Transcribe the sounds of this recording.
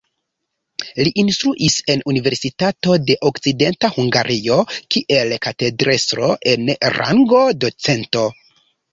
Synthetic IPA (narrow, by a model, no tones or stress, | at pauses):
liʔinstɾuʔise̞nunive̞ɾsitato̞de̞ʔokt͡side̞ntahuŋɡaɾʔio̞kiʔe̞lkate̞dɾe̞sɾo̞̰ʔe̞nɾa̰ŋɡo̞do̞t͡se̞nto̞